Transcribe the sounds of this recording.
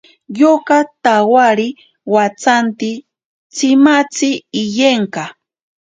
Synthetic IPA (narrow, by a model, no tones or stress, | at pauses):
jokat̪awaɾɪ | wat͡sant̪ɪ | t͡sɪmat͡sɪːjeɴkɑ